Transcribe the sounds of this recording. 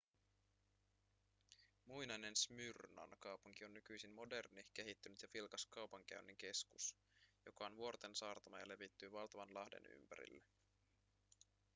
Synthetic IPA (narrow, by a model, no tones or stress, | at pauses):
mujnɑjne̞nsmyrnɑ̰nkɑwpuŋk̟io̞nːykyjsinmo̞de̞rnik̟e̞ɦit̪ːynyt̪jɑfilkɑskɑwpɑŋk̟æ̰ynːeŋk̟e̞skus | jo̞kɑonʋuo̞rt̪e̞nsɑːrt̪ɑmɑjɑle̞ʋit̪ːyːʋɑlt̪ɑʋɑnlɑhde̞̰ny̰mpæ̰ɾḭlːe